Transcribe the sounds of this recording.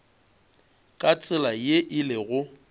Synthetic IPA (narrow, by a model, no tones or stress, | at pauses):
kʼat͡sʼɪlajeʔɪlɪɣʊ